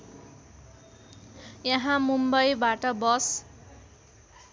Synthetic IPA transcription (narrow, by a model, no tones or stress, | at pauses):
jʌɦãmumbʌjbaʈʌbʌs